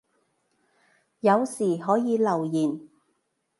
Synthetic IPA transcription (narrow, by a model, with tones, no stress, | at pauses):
jɐ˨˧wsiː˨˩ɦɔː˨˥jiː˨˧lɐ˨˩wjiː˨˩n